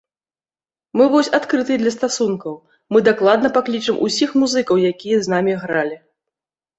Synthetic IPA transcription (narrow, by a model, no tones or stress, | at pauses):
mɨvɔsʲat̪kɾɨt̪ɨd̪lʲɐst̪asunkɐw | mɨd̪aklˠad̪nɐpaklʲit͡ʂɨmʔṵsʲixmuzɨkɐwjakʲijɐznamʲiɣɾalʲi